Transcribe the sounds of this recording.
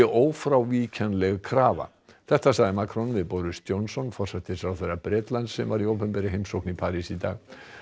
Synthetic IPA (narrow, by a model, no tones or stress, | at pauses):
ɪʔoːwfɾawviːcʰanlɛɣkʰɾaːva̰ | θɛht̪asaːɣðɪmaːkʰɾɔnvɪðpɔɾʏst̪jownsɔnfɔr̥sɛt̪ɪsɾawθeɾapɾɛːt̪lant̪sɛmvaɾiowpʏmpɛɾɪɦejmsowknipʰaːɾisit̪aːɣ